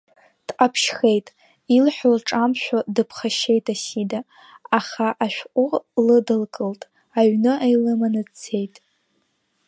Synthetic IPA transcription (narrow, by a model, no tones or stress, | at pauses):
d̥qʼapʰʃχe̞jtʼ | ilħʷᶣlʈ͡ʂʼamʃᶣadɨpʰχaʃe̞jtʼasida | aχaʔaʃᶣʷqʷʼʊlɨdɨlkʼɨltʼ | aɥnɨʔajlɨmanɨt͡sʰe̞jtʼ